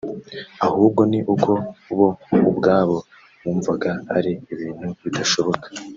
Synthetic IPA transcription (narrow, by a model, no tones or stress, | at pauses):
ahuːb̚ɡo̞niʔukʰo̞uβo̞ubɡaːβo̞ | muːɱvaɡaa̰ɾiːβiːn̥huβidaʃo̞βo̞kḁ